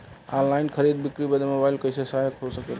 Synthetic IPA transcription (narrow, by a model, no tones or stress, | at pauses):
alainkʰəɾid̪̚bikɾibəd̪emobailkəɪsesaɦekʰosəket̪